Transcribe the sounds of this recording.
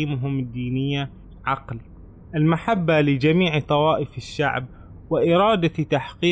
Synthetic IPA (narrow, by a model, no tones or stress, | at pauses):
iːmʊɦʊmɪd̪ːiːnɪjːa | ʕɑql | ʔɪlmaħabːalɪd͡ʒamiːʕt̪ˤɑwɑːʔɪfɪʃːa̰ʕb̚ | wɪʔɪɾˤɑːd̪at̪aħqiː